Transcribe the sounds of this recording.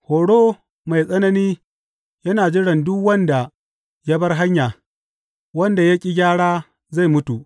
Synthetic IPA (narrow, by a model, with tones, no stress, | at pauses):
hoː˨ɽoː˦ | ma˨jsʼɐ˦nɐ˦niː˦ | jɐ˦naː˨d͡ʒɪ˦ɽɐ˨ndʊ˦kwɐ˦nda˨ | ja˦bɐ˦rɦa˦ɲjaː˨ | wɐ˦nda˨ja˦kʲʼi˨ɡʲaː˦ɽaː˦ | za˦˨jmʊ˦tu˨ʔ